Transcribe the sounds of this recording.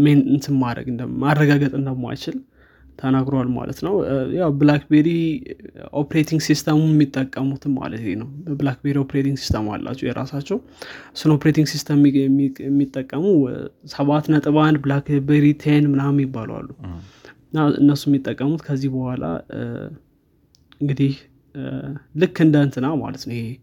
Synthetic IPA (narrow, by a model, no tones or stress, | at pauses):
menɨnt̪ɨnmaɾə̰ɡɨnd̪əmarːəɡaɡət̪ʼɨnd̪əmːa̰jt͡ʃɪl | t̪ʰənaɡɾowalma̰lə̰t̪nəwjawblakbeɾi | ʔopɾet̪ʰiŋɡsist̪ʰəmunɛmːit̪ʼːəkʼːəmut̪ʰɨma̰lə̰t̪lenəwəblakbeɾio̞pʰɾet̪ʰiŋɡsi̥st̪ʰəma̰lːa̰t͡ʃːɛjɛɾa̰sat͡ʃːɛw | sɨnopʰɾet̪iŋɡsist̪ʰəmɛɛmːit̪ʼːəkʼːəmusəβat̪nət̪ʼɨβanblakbeɾit̪ʰenmɨnamjɪbːalwa̰lːu | ɨnːaɨ̰nːəsːujɛmːit̪ʼːəkʼːəmut̪kʰəzːihbəhʷala̰ | ɨŋɡɨd̪ih | lɨkːɨnd̪ənt̪ɨnama̰lət̪nəwɪhe